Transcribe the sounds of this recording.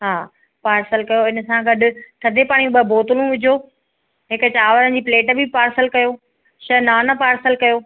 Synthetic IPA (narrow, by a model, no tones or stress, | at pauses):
ɦaː | paːɾsəlkɐjoɪnə̆sãɡɐɖʊ̆t̪ʰɐd̪ʱepaːɽ̃ijũɓɐbʱoːt̪ʊlũʋɪd͡ʑʱoː | ɦɪkt͡ɕaːʋəɾənd͡ʑiːpleːʈbʱipaːɾsəlkɐjoː | ʃɐnaːnɐpaːɾsəlkɐjoː